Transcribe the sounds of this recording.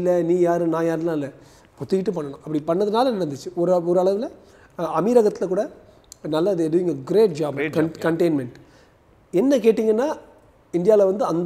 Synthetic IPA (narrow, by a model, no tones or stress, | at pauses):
lːɐniːjaːɾɯ̃nãːjaːɾlãːɪlːɐ | pɔt̪ːɯkɪʈːɯp̬ɐɳːɐɳʊ̃ʔɐpːɐɽipɐɳːɐðɯnaːlɐnɪɽɐnd̪ɯt͡ʃːɯɔɾɯɔɾɯɐɭɐʋɪlɐ | ɐmiːɾɐɣɐt̪ːɪlɐkuːɽɐ | nɐlːaɪðɯdʊʋɪŋɡɐɡɪɾeːʈ̚d͡ʒaːbkɐkɐɳʈeɪnmɛɳʈ | ɛnːɐkeːʈːiːŋɡɐnːaː | ɪɳɖ̪ɪjaːlɐʋɐnd̪ɯɐnd̪